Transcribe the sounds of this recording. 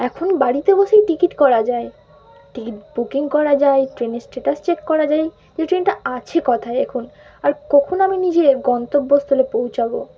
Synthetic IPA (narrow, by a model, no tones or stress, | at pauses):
ɛkʰonbaɽit̪eboʃejʈikiʈkɔɾad͡ʑae | ʈikiʈbukiŋkɔɾad͡ʑaeʈɾeneɾsʈeʈast͡ɕekːɔɾad͡ʑaj | d͡ʑeʈɾenʈaat͡ɕʰekɔt̪ʰaeekʰun | aɾkɔkʰonaminid͡ʑeɡɔnt̪obːost̪ʰulepowt͡ɕʰabo̰